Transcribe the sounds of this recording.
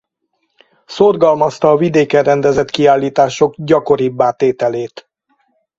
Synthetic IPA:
sorɡɒlmɒst̪ɒːvid̪eːkɛrɛnd̪ɛzɛt̪kiaːlːiːt̪aːʃo̞ɡɟɒko̞ɾibːaːt̪eːt̪ɛleːt̪

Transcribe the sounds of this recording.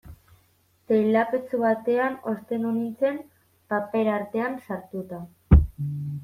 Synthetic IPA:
t̪ejlapet͡suβat̪e̞ano̞st̪e̞nunit͡se̞m | pape̞ɾaɾt̪e̞ansaɾt̪ut̪a

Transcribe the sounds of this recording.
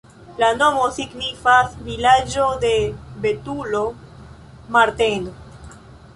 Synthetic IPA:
lanomosiɡnifasvilad͡ʒod̪e̞be̞t̪ulo | maɾt̪eno

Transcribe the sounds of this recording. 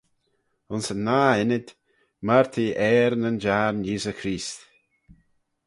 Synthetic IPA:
ʊnsənːaːɪnɪd̪̥ | maɹt̪ʰiʔɛːɾnənd͡ʒaːɾnjiːzəkʰɾiːst̪

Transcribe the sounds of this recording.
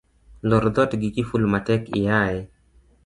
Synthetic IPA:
lɔɾd̪ɔtɡikifulmatɛkɪ̰jaɛ

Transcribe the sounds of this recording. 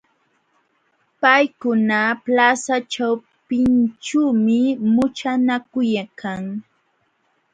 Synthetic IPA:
pajkʊnaplasat͡ʃaw | pɪnt͡ʃuːmɪmʊt͡ʃanakʊjakʰaŋ

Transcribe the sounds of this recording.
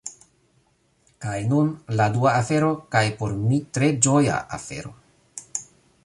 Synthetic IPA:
kajnunladuaːfe̞ɾo̞kajpo̞ɾmitɾe̞d͡ʒo̞ja̰ʔa̰fe̞̰ɾo̞̰

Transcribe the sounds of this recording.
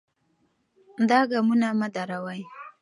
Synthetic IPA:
nd̪ɑɡamunamad̪aɾawaj

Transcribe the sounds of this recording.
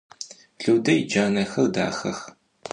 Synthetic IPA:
ɮuːdɐjd͡ʒaːnɐxɐrda̰ːxɐx

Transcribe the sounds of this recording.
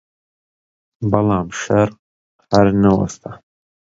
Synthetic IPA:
bɐlaːmʃɐɾq̚ | hɐɾnɐwɐ̰st̪ʰa

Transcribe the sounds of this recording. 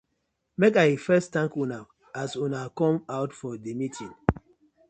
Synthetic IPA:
mekaifɛstãŋkuna | asunakɔ̃maʊtfɔdemitʰĩŋ

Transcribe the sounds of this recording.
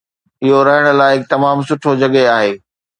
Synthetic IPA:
ɪɦoɾɐɦəɽ̃ʊ̆laːɪɪk̚t̪ɐmaːmsʊʈʰod͡ʑɐɠeaːɦeː

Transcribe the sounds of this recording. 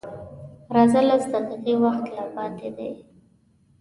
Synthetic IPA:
ɾɑzalazd̪əd̪əd̪ewaxt̪lapɑt̪ed̪e

